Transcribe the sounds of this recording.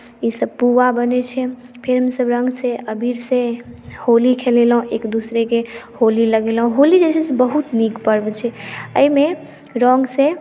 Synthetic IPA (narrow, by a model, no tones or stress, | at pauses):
isəb̚puʋabənɛt͡ʃʰɛ | pʰeɾɦəmsəbɾəŋɡsẽʔəbʱiɾsẽholikʰelelɦũekd̪usɾekeholiləɡelɦũɦolid͡ʒet͡ʃʰɛsbəɦut̪nikpəɾbɛt͡ʃʰɛəime | ɾɔ̃ŋɡsẽ